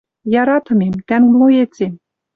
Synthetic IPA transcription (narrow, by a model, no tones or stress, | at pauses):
jɑɾɑt̪ɤ̆memt̪ænlˠojet͡sem